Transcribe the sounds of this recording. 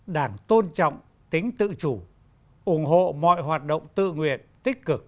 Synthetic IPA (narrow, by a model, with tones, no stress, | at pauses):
ɗaː˧˩ŋt̪o˧nt͡ɕɔ̰˧˨wŋ͡m | t̪ï˨˦ŋ̟t̪ɨ̰˧˨t͡ɕu˧˩ | ʔʊ˧˩ŋ͡mɦo̰˧˨mɔ̰˧˨jɦwaː˨˩t̚ɗə̰˧˨wŋ͡mt̪ɨ̰˧˨ŋwḭ˧˨ənt̪ï˦˥k̟̚kɨ˨˩k̚